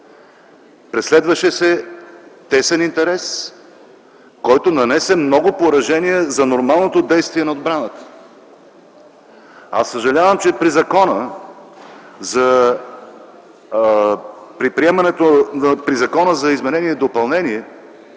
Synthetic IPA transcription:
pɾɛslɛd̪vəʃɛsɛ | t̪ɛsɛnint̪ɛɾɛs | kɔjt̪onɐnɛsɛmnɔɡʊpoɾɐʒɛnijəzɐnoɾmalˠnot̪od̪ɛjst̪viɛnɐod̪̚bɾanət̪ə̥ | a̰sːəʒɐlʲavəmt͡ʃɛpɾizɐkɔnə | zɐ | pɾipɾiɛmɐnɛt̪oəpɾizɐkɔnəzɐizmɛnɛniɛd̪opɐlˠnɛniɛ

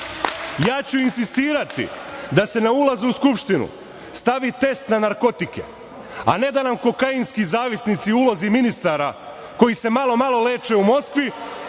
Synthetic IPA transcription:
jaːt͡ɕuinsist̪iːɾat̪ḭd̪ase̞naulˠazuuskupʃt̪inṵ | st̪aʋit̪e̞st̪nanaɾko̞t̪ikḛ | a̰ne̞d̪anamko̞kainskizaːʋisnit̪siuloziminist̪aːɾa | ko̞jise̞malˠo̞malˠole̞ːt͡ʃe̞umo̞skʋi

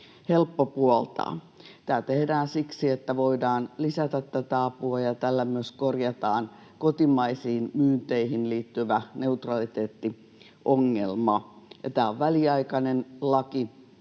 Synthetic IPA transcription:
helpːopuɔlt̪ɑ̰ː | t̪æːt̪ehdæːnsiksiet̪ːæʋoidɑːnlisæt̪æt̪t̪æt̪æɑpuɑjɑt̪ælːæmyøskorjɑt̪ɑːn | kot̪imɑisiːnmyːnt̪eihinliːt̪ːyʋæneut̪rɑlit̪eːt̪ːi | ʔoŋːḛlmɑjɑ̰t̪æːoʋʋæliɑikɑnenlɑki

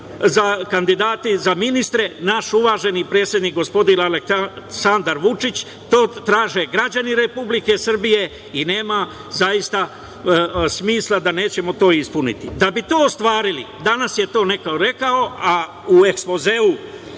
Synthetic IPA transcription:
zakand̪id̪aːt̪izaminist̪ɾe̞naʃuʋaːʒe̞niːpɾe̞ːt̪sʲje̞d̪niːk̚ɡo̞spo̞d̪inalesand̪aɾʋut͡ʃit͡ɕ | t̪o̞ːt̪ɾaːʒe̞ɡɾad͡ʑaniɾe̞publike̞sr̩bije̞ | ine̞ːma | zajist̪a | smiːslˠad̪ane̞ːt͡ɕe̞mo̞t̪o̞ːispunḭt̪id̪abit̪oːst̪ʋaːɾilḭd̪anasje̞t̪o̞ːne̞kaoɾe̞kao̞a | ue̞kspo̞zeu

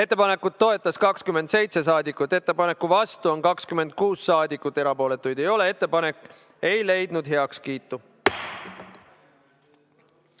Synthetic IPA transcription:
e̞t̪ˑːe̞pɑne̞kːˑut̪̚ːo̞e̞t̪ːˑɑskɑkskymed̪se̞jt̪se̞s̬ɑːd̪ikːˑut̪ːˑe̞t̪ːe̞pɑne̞kːuvɑst̪uonkɑkskyme̞nd̪̥̚kuːsːɑːd̪ikːˑut̪ːˑe̞ɾɑpo̞ːle̞t̪ːˑujd̪̥e̞jo̞le̞e̞t̪ˑːe̞pɑne̞kːˑ | e̞jle̞jd̪̥nud̪ɦe̞ɑkskiːt̪ːˑu

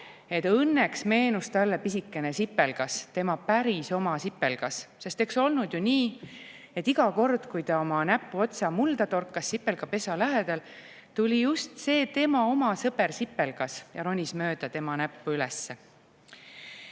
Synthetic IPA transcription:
e̞t̪ɤnːeksme̞ːnust̪ɑlːepisikːe̞nesipːe̞lɡ̥ɑst̪e̞mɑpæɾiso̞mɑsipːe̞lɡ̥ɑsse̞st̪e̞kso̞lnud̪̥juniː | e̞t̪ːˑiɡɑko̞rd̪̥kujt̪ɑo̞mɑnæpːuo̞t̪sɑmuld̪ɑt̪o̞rkːˑɑsːipːe̞lɡ̥ɑpe̞sɑlæɦed̪̥ɑl | t̪ulʲijust̪se̞ːt̪e̞mɑo̞mɑsɤbersipːe̞lɡ̥ɑsjɑɾo̞nʲismø̞ːd̪̥ɑt̪e̞mɑnæpːuylɛsːe

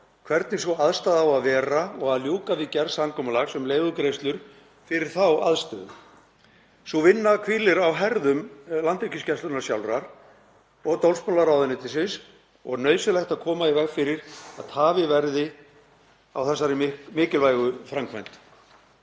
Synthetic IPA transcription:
kʰvɛɾt̪nɪsɔaðst̪aðawaðvɛːɾaɔɣaðljuːkavɪcɛɾsamkʰɔːmalaɣsɛmleːjɣʏkɾeːjst̪lʏɾ̥ | fɪɾɪɾ̥θawa̰ðst̪œ̰ðʏ̰ | suvɪnːakʰviːlɪɾawɦɛɾðʏmlant̪œcɪscɛst̪lʏnasjawlɾaɾ̥ | ɔɣt̪owlspɔnlaɾawðʏnɪt̪ɪsɪns | ɔɣnœːɥsɪlɛxt̪aðkʰɔːmaivɛɣfɪɾɪɾaðt̪ʰaːvɪvɛɾðɪ | a̰wθɛsːaɾɪɪmɪːcɪlvaːjɣʏfɾaŋkʰvɛjnt̪

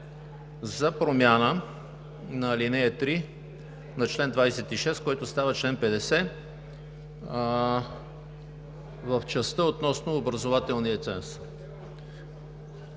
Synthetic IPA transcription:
zɐpɾomʲjanə | nɐlinɛɛt̪ɾi | nɐt͡ʃlɛnd̪vajsɛt̪iʃɛst̪̚koɛt̪ʊst̪avət͡ʃlɛnpɛd̪ɛsɛ | vəft͡ʃɛst̪əot̪nɔsnoːbɾɐzovat̪ɛlˠniət̪sɛ̰ns

